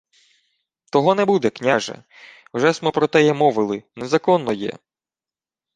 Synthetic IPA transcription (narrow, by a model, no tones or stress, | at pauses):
t̪ɔɦɔnɛbud̪ɛknʲaʒɛ̰ | wʒɛsmɛpɾɔt̪ɛjɛmɔʋɪlˠɪnezɐkɔnːɔjɛ̰